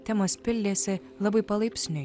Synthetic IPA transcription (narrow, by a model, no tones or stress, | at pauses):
t̪ʲɛmɐspʲɪlʲd̪ʲeːsʲɪ | lˠɐbɐɪpɐlˠɐɪpʲsʲnʲʊ